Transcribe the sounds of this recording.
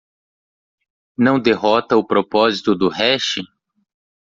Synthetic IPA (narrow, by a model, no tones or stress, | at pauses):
nɐ̃w̃d̪eɦɔt̪ɐʊpɾopɔzit̪ʊd̪ʊhɛʃɪ